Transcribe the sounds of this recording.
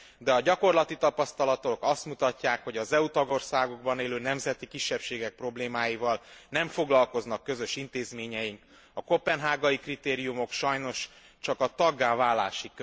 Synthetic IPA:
d̪ɛɒɟɒko̞rlɒt̪it̪ɒpɒst̪ɒlɒt̪o̞kɒst̪mut̪ɒcːaːkho̞ɟɒzɛut̪ɒɡo̞rsaːɡo̞ɡbɒneːløːnɛmzɛt̪ikiʃːɛpʃeːɡɛk̚pro̞bleːmaːjivɒlnɛɱfo̞ɡlɒlko̞znɒkːø̞zø̞ʃin̪t̪eːzmeːɲɛjiŋk | ɒko̞pɛnɦaːɡɒjikrit̪eːɾijumo̞kʃɒjno̞ʃ | t͡ʃɒkɒt̪ɒɡːaːvaːla̰ːʃik

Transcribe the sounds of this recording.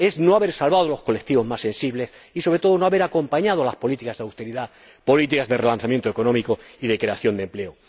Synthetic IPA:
e̞znoaβe̞ɾsalβað̞olo̞sko̞lekt̪iβo̞zmasːẽ̞nsiβle̞s | isoβɾet̪o̞ðo̞no̞aβe̞ɾako̞mpaɲað̞olaspo̞lit̪ikazðawst̪e̞ɾiða | po̞lit̪̬ikazðerelan̟θamje̞nt̪oe̞ko̞nõ̞miko̞iðe̞kɾe̞aθjo̞nd̪e̞mple̞o

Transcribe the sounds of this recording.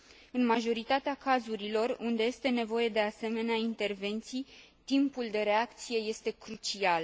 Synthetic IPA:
ɨnmaʒo̞ɾit̪at̪eakazuɾilo̞rund̪e̞je̞st̪e̞ne̞vo̞je̞d̪e̞ase̞me̞neaint̪e̞rve̞nt̪sij | t̪impuld̪e̞ɾe̞akt̪sije̞je̞st̪e̞kɾut͡ʃial

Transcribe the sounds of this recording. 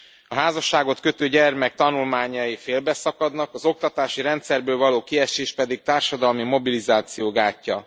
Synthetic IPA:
ɒɦaːzɒʃːaːɡo̞t̪kø̞t̪øːɟɛrmɛk̚t̪ɒnulmaːɲɒjifeːlbɛsɒkɒd̪nɒkɒzo̞k̚t̪ɒt̪aːʃiɾɛnt̪sɛrbøːlvɒloːkiɛʃeːʃpɛd̪ik̚t̪aːrʃɒd̪ɒlmimo̞bilizaːt̪sijoːɡaːcːɒ

